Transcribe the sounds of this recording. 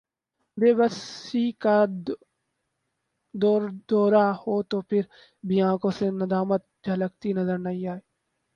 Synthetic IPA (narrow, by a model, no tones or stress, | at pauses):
beːbəsika | d̪ɔːɾd̪ɔːɾahoːt̪opʰɪɾ | biãːkõsenɐd̪aːmət̪̚d͡ʒʱɐləkt̪inɐzəɾnɐɦĩaːeː